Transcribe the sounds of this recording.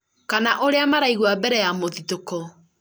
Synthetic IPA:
kanaʔoɾeamaɾaiɣwabɛɾɛjamoðitokɔ

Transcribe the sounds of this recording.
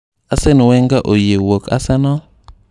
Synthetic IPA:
asɛnwɛŋɡaʔojewoka̰sanɔ

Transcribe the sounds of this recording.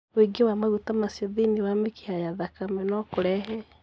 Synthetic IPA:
weɡewamaɣutamasiɔðiniwameki̥hajaðakamɛnɔkuɾɛɦɛ

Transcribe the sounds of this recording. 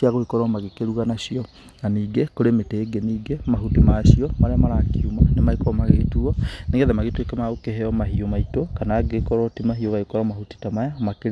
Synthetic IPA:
iaɣohikɔɾɔmaɣekeɾuɣanaʃiɔ | ŋaniːɡekoɾemeteɡeniːɡemaɦutimaʃiɔmaɾeamaɾakiumanemaikɔɾɔmaɣetuɔneɣɛðɛmaɣetwekɛmaɣokeɦɛɔmaɦiomaitokanaɡekɔɾɔtimaɦioɣaikɔɾɔmahuti̥tamajamakeɾ

